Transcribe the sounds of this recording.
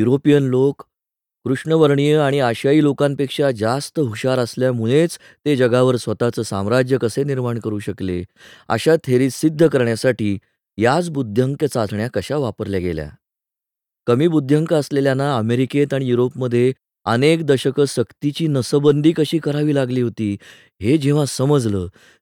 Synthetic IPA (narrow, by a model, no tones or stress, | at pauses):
juɾopijənlokː | ɾuʂɳəʋəɾɳijəaɽ̃iaɕaiːlokãmpekʂad͡zast̪əɦukɕaɾəsljamuɭ̃et͡s | t̪ed͡ʑəɡaʋəɾsʋət̪at͡səːsãmɾad͡ʑjəkəseniɾmaɳkəɾuːɕəklḛə̰ɕat̪ʰeɾiːsid̪ʱːəkəɾɳjasaʈiː | jat͡sbud̪ʱjəŋkjət͡sat͡sʰɳjakəɕaʋapəɾljaɡḛlja̰ | kəmiːbud̪ʱjəŋkəəsleljanaəmeɾiket̪aɽ̃ijuɾopməd̪ʱːje | ənekd̪əɕəkəɕəkt̪it͡ɕiːnəsəbənd̪ʱiːkəɕiːkəɾaʋiːlaɡliːɦot̪iː | ɦed͡ʑeʋ̤ãsəməd͡zləː